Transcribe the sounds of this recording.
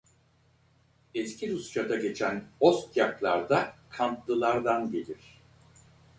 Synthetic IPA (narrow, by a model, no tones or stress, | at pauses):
ɛscʰiɾust͡ʃad̪aɟe̞t͡ʃʰænost̪jaklˠa̰ɾd̪akʰamp̪lˠɯlˠaɾd̪anɟe̞lʲiɾ̝̥